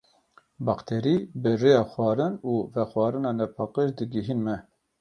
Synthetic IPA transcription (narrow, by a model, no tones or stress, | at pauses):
bɑqt̪ʰeɾibɨrejɑːxwɑːɾɨnuːvɛxwɑːɾɨnɑːnɛpʰɑːqəʃd̪ɨɡiɦinmɛ